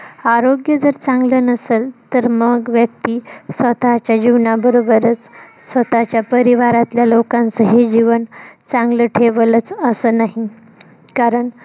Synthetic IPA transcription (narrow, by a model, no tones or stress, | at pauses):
aɾoɡjəd͡zəɾt͡sãŋɡlənəselt̪əɾməɡʋjək̚t̪isʋət̪at͡ɕjad͡ʑiʋnabəɾobəɾət͡s | sʋət̪at͡ɕjapəɾiʋaɾat̪ljalokãnt͡səɦed͡ʑiʋənt͡sãŋɡləʈʰeʋələt͡səsəːnaɦi | kaɾəɳ